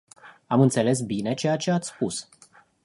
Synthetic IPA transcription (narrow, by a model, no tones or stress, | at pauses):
amɨnt̪sele̞s̬bine̞t͡ʃe̞jat͡ʃe̞at̪sspus